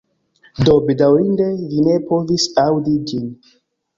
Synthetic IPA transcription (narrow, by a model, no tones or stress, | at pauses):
do̞bedawɾinde̞vine̞po̞visawdid͡ʒin